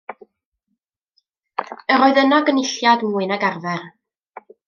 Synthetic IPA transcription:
əɾɔɨðənɔɡənɪɬjadmuːɨnaɡarðɛr

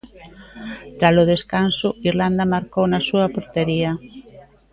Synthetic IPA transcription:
t̪alʊðeskansʊiɾland̪ɐmaɾkownasuɐpoɾt̪eɾiɐ

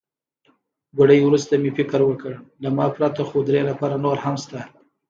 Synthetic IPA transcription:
ɡʊɖəjwɾust̪amefɪkəɾwəkəɽlamɑpɾat̪axod̪ɾelapɑɾanoɾhamst̪a

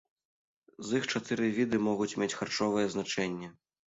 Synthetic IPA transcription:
zixt͡ʂat̪ɨɾɨvʲid̪ɨmɔɣut͡sʲmʲet͡sʲxart͡ʂɔvɨjɛznat͡ʂɛnʲːɛ

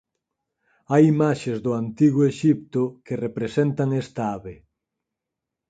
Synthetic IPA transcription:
ajimaʃezðʊant̪iɣʊeʃip̚t̪ʊkerepɾesent̪aŋest̪aaβe

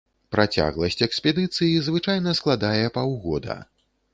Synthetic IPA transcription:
pɾʔat͡sʲa̰ɣlˠɐsʲt͡sʲɛkspʲɛd̪ɨt̪sɨjizvɨt͡ʂajnɐsklˠad̪ajɛpawɣɔd̪ɐ̰

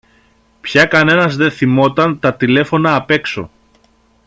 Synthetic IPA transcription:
pçɐkɐne̞nɐzðe̞θimo̞t̪ɐnt̪ɐt̪ile̞fo̞nɐːpe̞kso̞̰

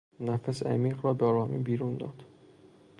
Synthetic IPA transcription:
næfæsæ̰miːɣɾɒːbeɒːɾɒːmḭːbiːɾund̪ɒ̰ːd̪̥

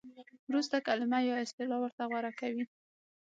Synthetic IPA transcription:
wɾust̪akalɪmajawɪst̪ɪlɑwəɾt̪aɣwaɾakawi

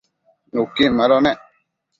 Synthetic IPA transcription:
nukimalɔnɛ

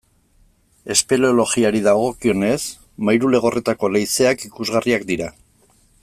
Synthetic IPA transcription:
e̞spe̞leolo̞ɣiaɾiðaoɣ̞o̞kio̞ne̞s | majɾule̞ɣ̞o̞rʔe̞t̪ako̞lejse̞akikuzɣariakd̪iɾa

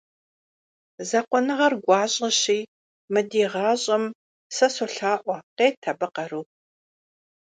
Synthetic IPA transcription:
zɐqʷɔnɨʁɐrɡʷɑːɕʼɐɕiː | mɨdiːʁɑːɕʼɐm | sɐsoɬaːʔʷɔqeːtʰɐbɨqɐruː

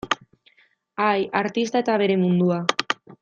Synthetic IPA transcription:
ajaɾt̪ist̪ae̞t̪aβe̞ɾe̞mund̪ua

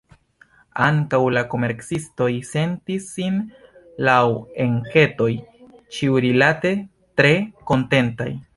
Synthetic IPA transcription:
aŋkawlako̞me̞ɾksisto̞jse̞ntisːin | lawe̞ŋke̞to̞jt͡ʃiuɾilate̞ | tɾe̞ko̞nte̞nta̰j

